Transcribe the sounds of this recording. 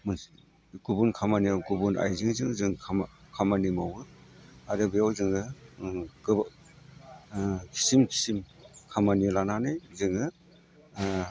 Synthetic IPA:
mɯ | ɡubunkʰamanijawɡubuna̰jzɯŋzɯŋzɯŋʰmkʰamanimawɯaɾɯbɯjawzɯŋɯ | ɡ | kʰi̥simkʰi̥sim | kʰamanilananɯjzɯŋɯ

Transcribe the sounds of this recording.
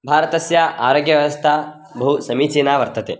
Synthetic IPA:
bʱaːɾɐt̪ɐsjaʔaːɾoːɡjɐʋjɐʋɐst̪ʰaː | bʱusɐmiːt͡ʃiːnaːʋɐɾt̪ɐt̪ḛː

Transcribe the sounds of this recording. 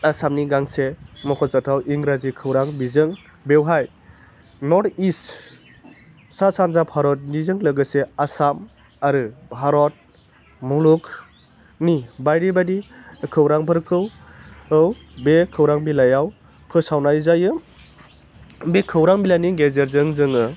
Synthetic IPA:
asamniɡaŋsemɔkʰɔsatʰawʔiŋɡɾazikʰɯwɾaŋbizɯŋ | bewɦaj | nɔtist | sasanzapʰhaɾɔt̚nizɯŋlɯɡɯseasam | aɾɯbʱɦaɾɔt̚ | muluk | nibajɾibadikʰɯwɾaŋbʰɯɾkʰɯwɯw | bekʰɯwɾaŋbilajaw | pʰɯsawnajzajɯ | bekʰɯwɾaŋbilajniɡezeɾzɯŋzɯŋɯ

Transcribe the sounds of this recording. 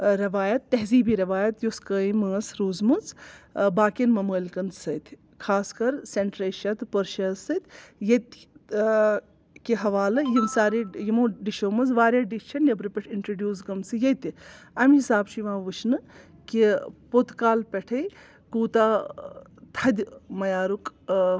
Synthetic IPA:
ɾɐʋaːjɐt̪ːɐɦziːbiːɾɐʋaːjɐt̪joskəːimɐːsɾuːzmɐnzbaːkinmɐməːlkɐnd̪sɐt̪ʰ | kʰaːskɐɾseɳʈɾeːʃɐt̪pəɾʃɐːsɐt̪ʰʲjɐt̪ | kiɦɐʋaːlɨjimsaːɾijimõːɖiʃoːmɐzʋaːɾʲjaːɖiʃʰɐnjɐbɾɨpʲeʈʰiɳʈɾoɖʲjuːs̬ɡɐmsɨjɐt̪iɐmɦisaːbt͡ʃʰiʋãːʋɨt͡ʃʰnɨ | kipot̪kaːlpʲeʈʰɐj | kuːt̪aː | t̪ʰɐd̪ʲmɐjaːɾuk

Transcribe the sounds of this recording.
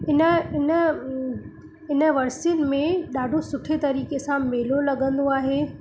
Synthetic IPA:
ɪnəɪnə | ɪnə̆ʋɐɾsijənɪ̆mẽɗaːɖʱosʊʈʰet̪ɐɾiːkesãmeːlolɐɠə̃nd̪oaːɦeː

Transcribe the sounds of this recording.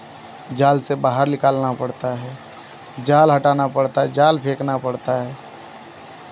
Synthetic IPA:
d͡ʒaːlsebaːɦəɾnɪkaːlnapəɽt̪aɦɛ | d͡ʒaːlɦəʈaːnapəɽt̪aɦɛd͡ʒaːlpʰeːknapəɽt̪aɦɛː

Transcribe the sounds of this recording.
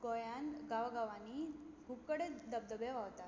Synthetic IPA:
ɡojanɡaʋaɡaʋani | ɡʱup̚kəɽed̪əb̚d̪əbjeʋaʋt̪a

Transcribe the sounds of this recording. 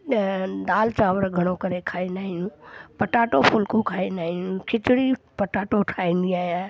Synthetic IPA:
d̪aːlt͡ʃaːʋəɾɡʱɐɽ̃okɐɾekʰaːĩnd̪aːɦĩjũːpɐʈaːʈopʰʊlkũkʰaːĩnd̪aːɦĩjũkʰɪt͡ʃɽi | pɐʈaːʈoʈʰaːĩːnd̪iaːɦjaː

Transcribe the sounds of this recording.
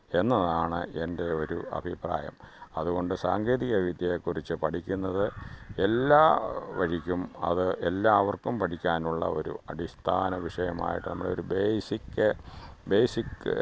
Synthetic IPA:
e̞nːɐðaːɳɨ̰e̞nde̞o̞ɾuɐ̰bʱipra̰ːjɐ̰m | ɐðuɣo̞ɳɖɨsaːŋɡeːðiɣɐʋid̪jɐjekːurit͡ɕːɨpɐʈʰikʲːunːɐðɨe̞lːaːʋɐɻikʲːumɐ̰ðɨʔelːaːʋɐrkːumpɐʈʰikʲːaːnuɭːɐ̰o̞̰ɾṵɐʈist̪ʰaːnɐʋiʂɐjɐma̰ːjiʈːɨnɐmːɐɽeo̞ɾubeːsikːɨbe̞ːsik

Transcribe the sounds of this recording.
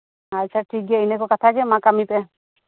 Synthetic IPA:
at͡ʃʰaʈʰikːɛəjnɛkɔkat̪ʰakɛmãkamipɛ

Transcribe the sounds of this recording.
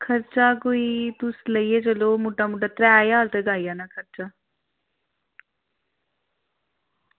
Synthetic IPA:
kʰəɾt͡ʃaːkoːiːt̪ʊsləiːeːd͡ʒəloːmuʈːaːmuʈaːt̪ɾɛːjaːɾt̪eɡaːiːaːnaːkʰəɾt͡ʃaː

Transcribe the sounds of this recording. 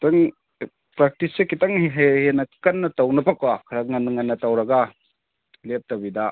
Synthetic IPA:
taŋ | pɾak̚tisekitaŋɦehenɐkɐnːɐtawnɐpakwakʰɐɾaŋɐnːɐŋɐnːɐtawɾɐɡa | lep̚tabida

